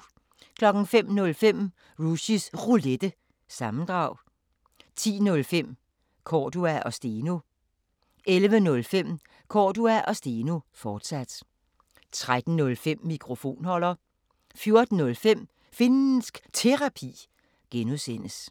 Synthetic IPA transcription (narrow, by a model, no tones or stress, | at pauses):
kʰlɒ̽ɡ̥n̩fem̰nɔ̽lfem̰ | ʁuɕisʁuled̥ə | sɑ̈mn̩d̥ʁɑ̈ʊ̰ | t͡sʰḭːnɔ̽lfem̰ | kʰɒːd̥uæʔɒ̽sd̥e̝no | ʔelʋənɔ̽lfem̰ | kʰɒ̰ːd̥uæʔɒ̽sd̥e̝ːnofɒːd̥sæd̥ | t͡sʰʁad̥n̩nɔ̽lfem̰ːikʰʁo̝fo̝̰ːnhɒ̽l̰ɐ | fjo̝ɐd̥n̩ːɔ̽lfem̰ | fe̝nn̩sɡ̥t͡sʰe̝ʁɑ̈pʰḭː | ɡ̥enusen̰əs